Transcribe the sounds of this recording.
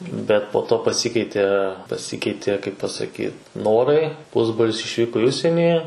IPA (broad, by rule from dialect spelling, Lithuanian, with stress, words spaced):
ˈbʲɛt poː ˈtoː pɐˈsʲɪkʲɛɪtʲeː pɐˈsʲɪkʲɛɪtʲeː kɐɪp pɐsɐˈkʲiːt ˈnoːrɐɪ ˈpʊzbroːlʲɪs ɪʃʲˈʋʲiːkoː ɪ ˈʊʃʲsʲiɛnʲiː